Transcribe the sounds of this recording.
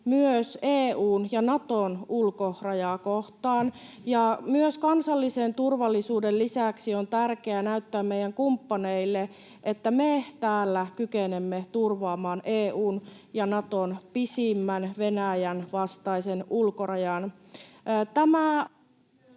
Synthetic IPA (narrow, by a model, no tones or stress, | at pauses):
myøseːuːnjɑnɑt̪onulkorɑjɑkoht̪ɑːn | jɑmyøskɑnsɑlːisent̪urʋɑlːisuːdellisæksiont̪ærkeænæyt̪ːæːmmejæŋkumpːɑneilːe | ʔet̪ːæmet̪æːlːækykenemːet̪urʋɑːmɑːnʔeːuːnjɑnɑt̪onpisimːænʋenæjænʋɑst̪ɑisenʔulkorɑjɑn | t̪æmæ